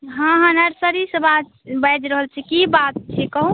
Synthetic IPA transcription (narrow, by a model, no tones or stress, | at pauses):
ɦãɦãnəɾsəɾisəba | bəd͡ʒɾəɦəlt͡ʃʰɛkibat̪̚t͡ʃʰɛkəɦũ